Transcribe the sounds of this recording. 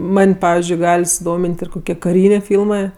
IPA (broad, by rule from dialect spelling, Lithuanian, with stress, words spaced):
ˈmɐnʲ ˈpɑːʋʲɪzʲd͡ʒʲʊɪ ˈɡɐlʲ sʊˈdoːmʲɪnʲtʲ ɪr koːˈkʲiɛ kɐˈrʲiːnʲeː ˈfʲiːlˠmɜ